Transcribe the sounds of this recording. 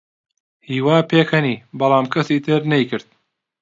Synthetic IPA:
hiːwaːpʰeːkhɐniːbɐlˠaːmkʰɐsiːt̪ʰɨɾnɐjkɨɾd̪̚

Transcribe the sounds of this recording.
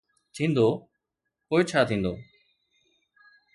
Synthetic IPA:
t̪ʰĩːnd̪oː | koːit͡ʃʰaːt̪ʰĩːnd̪o̰ː

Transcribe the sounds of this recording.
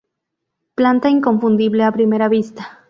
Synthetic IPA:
plant̪aiŋko̞ɱfund̪iβle̞apɾime̞ɾaβist̪ḁ

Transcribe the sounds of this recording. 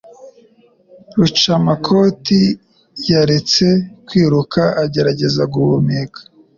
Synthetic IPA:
ɾut͡ʃamakʰo̞ti | jaɾe̞t͡se̞kwiːɾukaːɟe̞ɾaɟe̞zaɡuβumikḁ

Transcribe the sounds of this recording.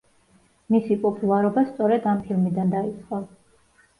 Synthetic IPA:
misipʼɔpʼulˠaɾɔbast̪sʼɔɾɛd̪ampʰilˠmid̪and̪ait̪sʰʼχqʼɔ

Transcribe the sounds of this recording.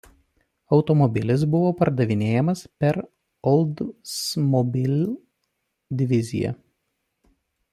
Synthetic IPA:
ɒʊt̪ɔmɔbʲɪlʲɪs̬bʊʋoːpɐɾd̪ɐʋʲɪnʲeːjɛmɐspʲɛɾ | ɔlˠd̪smɔbʲɪlʲ | d̪ʲɪʋʲɪzʲɪ̰jɛ̰

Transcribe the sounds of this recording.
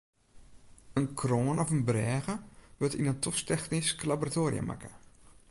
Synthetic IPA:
ənkʰroːnɔfənbrɛːɣəʋətḭnəntʰɔstɛxnisklaboratoːrḭə̰ma̰kə̥

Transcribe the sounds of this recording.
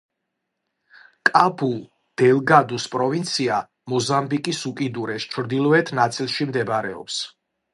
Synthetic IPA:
kʼabul | d̪̥ɛlˠɡad̪uspʼɾɔvint̪sʰia | mɔzambikʼisukʼid̪uɾɛst͡ʃʰɾd̪ilˠɔɛt̪ʰnat̪sʼilˠʃimd̪ɛbaɾɛɔ̰ps

